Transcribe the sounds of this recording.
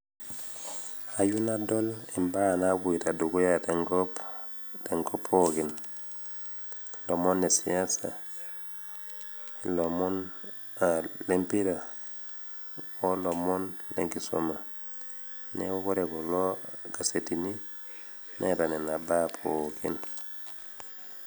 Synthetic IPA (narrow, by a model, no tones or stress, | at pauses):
ajunadolimbanaɡuitaduɡujateŋɡ | teŋkopʰːokin | lomonːesiansa̰ | lomɔn | alempiɾa | olomɔnlḛŋɡiso̰ma | neukoɾɛɡɔloɡasetini | netanɛnabapʰokḭn